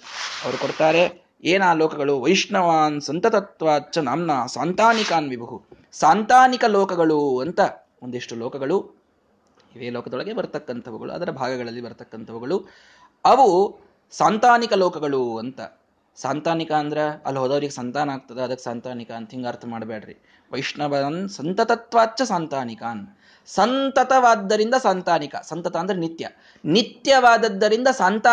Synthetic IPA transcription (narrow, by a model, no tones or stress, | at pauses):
ɐʋɐɾukoɽt̪aːɾe̞ | eːnaːlɔːkɐɡɐɭuʋɐjiʂɳɐʋaːnsɐnt̪ɐt̪ɐt̪ʋaːtːt͡ʃɐnaːmnaːsaːnt̪aːnikaːnʋibʱɐɦu | saːnt̪aːnikɐloːkɐɡɐɭuɐnt̪ɐ | ond̪eʂʈulɔːkɐɡɐɭu | iʋeːlɔːkɐd̪oɭɐɡebɐɾt̪ɐkːɐnt̪ʰɐʋɐɡɐ̰ɭṵɐ̰d̪ɐɾɐbʱaːɡɐɡɐɭɐlːibɐɾt̪ɐkːɐnt̪ʰɐʋɐɡɐɭu | ɐʋu | saːnt̪aːnikɐlɔːkɐɡɐɭuɐnt̪ɐ̰ | saːnt̪aːnikaːnd̪ɐɾeɐ̰lɦod̪ɐʋɐɾiɡesɐnt̪aːnɐaːɡ̚t̪ɐd̪eɐd̪ɐkːe̥saːnt̪aːnikɐɐnt̪ɐɦiŋɡaːɾt̪ʰɐmaːɖbeːɖɾḭ | ʋɐjʂɳɐbɐnsɐnt̪ɐt̪ɐt̪ʋaːt͡ʃːt͡ʃːɐsaːnt̪aːnikaːn | sɐnt̪ɐt̪ɐʋaːd̪ːɐɾind̪ɐsaːnt̪aːnikɐ̰sɐnt̪ɐt̪ɐːnd̪ɐɾenit̪jɐ | nit̪jɐʋaːd̪ɐd̪ːɐɾind̪ɐsaːnt̪aː